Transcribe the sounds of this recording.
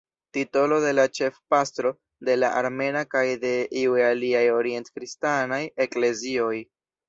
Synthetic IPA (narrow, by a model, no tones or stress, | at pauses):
tito̞lo̞de̞lat͡ʃe̞fpastɾo̞ | de̞laʔaɾme̞nakajde̞ʔiuealiajo̞ɾie̞ntkɾistanaje̞kle̞zio̞j